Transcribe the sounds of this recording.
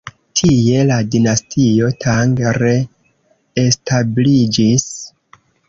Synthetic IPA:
tʰije̞ladinastʰio̞tʰaŋɡɾe̞ | estʰablid͡ʒis

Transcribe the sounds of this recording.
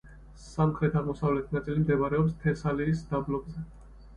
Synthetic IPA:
samχɾɛt̪ʰaʁmɔsavlɛt̪ʰnat̪sʼilimd̪ɛbaɾɛɔpst̪ʰɛsaliːsd̪̥ablɔɡzɛ

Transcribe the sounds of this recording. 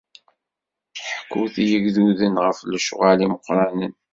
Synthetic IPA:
ħəkːuθijəɡðuðənʁəflʃʁaliməqːɾˤɑnən

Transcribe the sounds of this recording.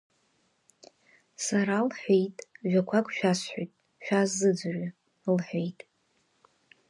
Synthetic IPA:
saɾalħʷᶣejtʼʒʷᶣakʷʰakʼʃᶣasħojtʼ | ʃᶣazːɨd͡zra | lħʷᶣejtʼ

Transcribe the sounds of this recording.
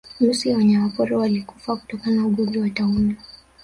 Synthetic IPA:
m̩siwaɲamapɔɾɔwalikufaku̥tɔkanauɠɔziwatauna

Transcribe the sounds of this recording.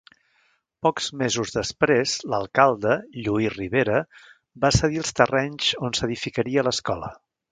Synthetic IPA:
pɔkz̥mezuzðəspɾezləlˠkalˠd̪əʎuiriβ̞eɾə | basəðilˠst̪ərɛɲzonsəðifikəɾiələskɔlə̰

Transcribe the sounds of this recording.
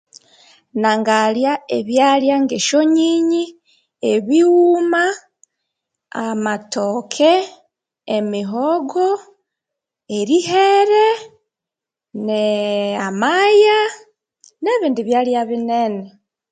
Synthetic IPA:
naŋɡaljaeβjaljaŋɡeʃoɲiɲi | eβiuma | amatokʰeː | miɦoɡo | eɾiɦeɾe | neamaja | neβiːndiβjaːljaβinene

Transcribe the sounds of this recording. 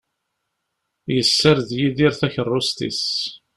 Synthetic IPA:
jəsːəɾðjiðiɾθæçərˤːʊst̪ḭs

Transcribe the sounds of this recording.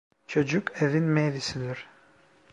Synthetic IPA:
t͡ʃʰø̞d͡ʒykʰevinmejɾisid̪iɾ̥

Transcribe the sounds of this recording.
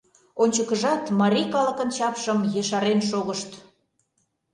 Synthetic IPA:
onʲt͡ɕəkəʒɑt̪mɑɾʲijkɑlə̆kə̆nt͡ɕɑpʃəmjeʃɑɾenʃ̬oɣəʃt̪

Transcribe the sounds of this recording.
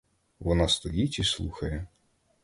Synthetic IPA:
ʋɔnɑst̪ɔjitʲislˠuxɐjɛ

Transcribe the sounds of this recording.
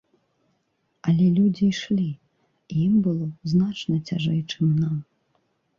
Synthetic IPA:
ɐlʲɛlʲud͡zʲiʂlʲi | ijimbɨlˠɔznat͡ʂnɐt͡sʲaʐɛjt͡ʂɨmnam

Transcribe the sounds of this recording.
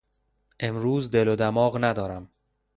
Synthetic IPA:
ʔe̞mɾuːzd̪e̞lod̪æmɒːɣnæd̪ɒːɾæm

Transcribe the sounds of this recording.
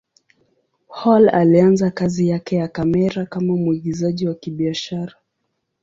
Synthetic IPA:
hɔlalianzakazijakɛjakamɛɾakamamuiɡizaʄiwakiɓiaʃaɾa

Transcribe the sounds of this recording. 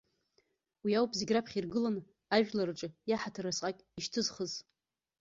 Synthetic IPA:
wiawpʼziɡʲrapʰχʲirɡɨlan | aʒᶣlaɾɨʈ͡ʂʼɨjaħatʰɨrasqʼakʲʼiʃtʰɨzχəz

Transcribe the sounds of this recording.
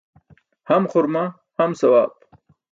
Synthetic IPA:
hɐmχʊɾma | hɐmsɐwaːb

